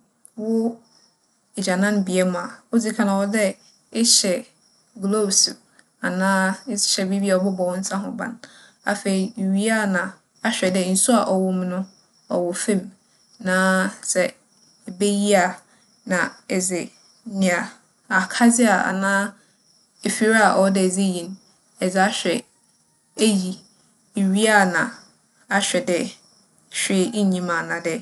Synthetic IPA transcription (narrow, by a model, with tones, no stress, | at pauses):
wʊ˦ | ɪ˨d͡ʑa˨nã˦nbi˨ɛ˦mã˨a˨o˦d͡zi˦kʰã˨nã˨wɔ˦dɛ˦ | ɪ˦ɕɛ˨ | ɡlo˦bsu˨ | a˨nãː˦sɪ̥˨ɕɛ˨bi˦bi˦a˨ɔ˨bʊ˦bɔ˨wɔ̃˦n̩˦sʰã˦ɦʊ̰̃˨bã̰˨n | a˨fe˨i˨ɥi˦a˦nã˨ | a˦ɕᶣɛ˨dɛ˦˨n̩˨su˦a˨ʔɔ˨wʊ˨m̃˦nʊ̃˦ | ɔ̰˨wʊ˨fɛ̃˦m | nãː˨˦sɛ˨ | be˦ji˦a˨ | nã˨ɛ˨d͡zɪ˨˦ | nĩ˨a˨ | a˨kʰa˦d͡zɪ˦a˨a̰˨nãː˦ | e˨fi˨ɾa˨ʔɔ˨˦dɛ˨d͡ze˦jĩ˨n˦ | ɛ˨d͡zɪ˨˦a˦ɕᶣɛ˨ | e˦ji˨ | ɥi˦a˦˨nã˨ | a˦ɕᶣɛ˨dɛ˦˨ | ɕᶣe˨˦ɲĩ˦mã˨nã˨dɛ˦